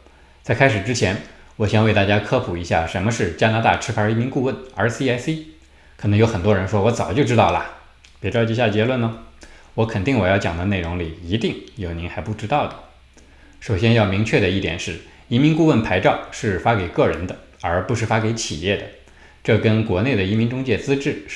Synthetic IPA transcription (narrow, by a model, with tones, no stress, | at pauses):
t͡sa˥˩ɪkʰa˥ɪʂɻ̩˨˩ʈ͡ʂɻ̩˥t͡ɕʰjɛ˧˥n | wɔ˨˩ɕjɛ˥nwe˥˧ɪt̪a˥˩t͡ɕja˥kʰɤ˥pʰu˨˩i˧˥ɕja̰˥˩ʂə˧˥nmə˧ʂɻ̩˥˩t͡ɕja˥na˧˥t̪a̰˥˩ʈ͡ʂʰɻ̩˥fa˧˥i˧˥mi˧˥ŋku˥˧wə˥˩nə˧˥si˥a˥ɪsi˥ | kʰɤ˨˩nɤ˧˥ŋjo˧˥xə˨˩nt̪wɔ˥ɻə˧˥nʂwɔ˥wɔ˧˥t͡sɑ˨˩ʊt͡ɕjo˥ʊʈ͡ʂɻ̩˥t̪ɑ˥˩ʊlə̰˨˩ | pjɛ˧˥ʈ͡ʂɑ˥˧ʊt͡ɕi˥˧ɕja˥˩t͡ɕjɛ˧˥lwə˥˩nnə˩wɔ˧˥kʰə˨˩nt̪i˥˩ŋwɔ˨˩jɑ˥˩ʊt͡ɕjɑ˨˩ŋd̪ə˦ne˥˩ɪɻʊ˧˥ŋli˨˩i˧˥t̪i˥˩ŋjo˨˩ʊni˧˥nxa˧˥ɪpu˥˩ʈ͡ʂɻ̩˥t̪ɑ˥˩ʊd̪ə˩ | ʂo˨˩ʊɕ̬jɛ˥njɑ˥˩ʊmi˧˥ŋt͡ɕʰɥɛ˥˩d̪ə˩i˥˩t̪jɛ̰˨˩nʂɻ̩˥˩ | i˧˥mi˧˥ŋku˥˧wə˥˩npʰa˧˥ɪʈ͡ʂɑ˥˧ʊʂɻ̩˥˩fa˥ke˨˩ɪkɤ˥˩ɻə˧˥nd̪ə˧ | ə˞˧˥pu˧˥ʂɻ̩˥˩fa˥ke˧˥ɪt͡ɕʰi˨˩jɛ˥˩d̪ə̰˩ | ʈ͡ʂɤ˥˩kə˥nkwɔ˧˥ne˥˩ɪd̪ə˩i˧˥mi˧˥nʈ͡ʂʊ˥ŋt͡ɕjɛ˥˩t͡sɹ̩˥ʈ͡ʂɻ̩˥˩